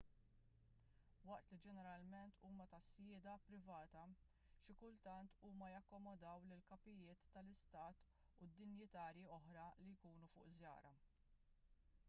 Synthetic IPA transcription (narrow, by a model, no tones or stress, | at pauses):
wɐʔt̪lid͡ʒɛnɛɾɐlmɛnt̪ʰuːmɐt̪ɐsjɪːd̪ɐpɾɪvɐːt̪ɐ | ʃɪkʊlt̪ɐnt̪uːmɐjɐkːɔmɔd̪ɐwlɪlkɐpɪjɪːt̪ːɐlɪst̪ɐːt̪ | ʊd̪ːɪnjɪt̪ɐːɾjiɔħɾɐlijkuːnufʊ̰ːʔzjɐ̰ːɾɐ